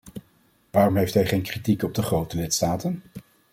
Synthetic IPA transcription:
ʋaːrɔmɦejftɦɛjχejnkritikɔb̚dəχrowtəlɪtstaːtən

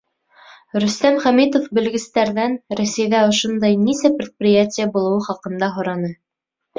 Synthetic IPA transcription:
ɾɵ̆st̪æmχæmit̪ofbɘ̆lɡɘ̆st̪æɾðænɾæsæjðæŏʃond̪ɑjnisæpɾʲɪt̪̚prʲɪjatʲɪjəbulˠɤ̆wɤχɑqɤ̆nd̪ɑɦŏɾɑnɤ

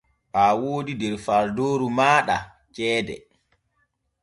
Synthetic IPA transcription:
ʔawoːdidɛɾfaɾdoːɾumaːɗa | t͡ʃɛːdɛ̰

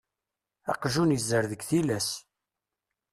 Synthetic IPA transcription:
ɑ̰qʒunəzːəɾðəɡθilæs

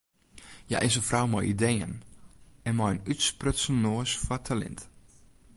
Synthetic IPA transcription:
ja̰ʔɪsəfrawmɔ̰jidejə̰n | ɛnmɔjənytsprøtsənoəsfɔtʰalɛ̰nt

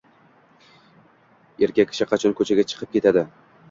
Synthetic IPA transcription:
eɾkʲakʲʰːɪ̥ʃɪqʰɑt͡ʃʰonkʰɵt͡ʃʰaɡʲat͡ʃʰɨ̥qʰɨp̚kʲe̞t̪ʰad̪ɪ

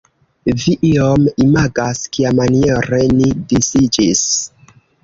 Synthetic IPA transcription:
viʔiomimaɡaskiamanieɾe̞nidisid͡ʒis

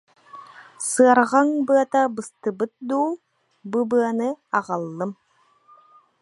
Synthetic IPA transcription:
sɯaɾʁaŋbɯɐt̪abɯst̪ɯbɯt̪̚d̪uː | bubɯɐnɯɑʁalˠːɯm

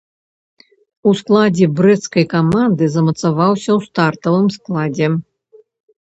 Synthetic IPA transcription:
usklˠad͡zʲɛbɾɛt̪skɐjkamand̪ɨzɐmɐt̪savawsʲɐwst̪art̪ɐvɨmsklˠad͡zʲɛ

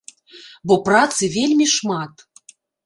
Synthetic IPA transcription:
bɔprat̪sɨvʲelʲmʲiʂmat̪

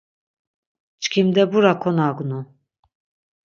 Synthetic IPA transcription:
t͡ʃʼkʰimd̪ɛbuɾakʰɔnaɡunu

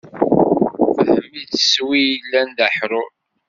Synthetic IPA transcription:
ðəmːit͡sə̥swijəlːænd̪əħɾʊɾ

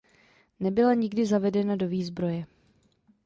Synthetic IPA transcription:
nɛbɪlaɲɪɡdɪzavɛdɛnado̞viːzbɾo̞jɛ

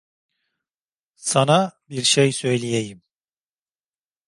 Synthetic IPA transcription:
sanabiɾʃejsø̞jlʲijejim

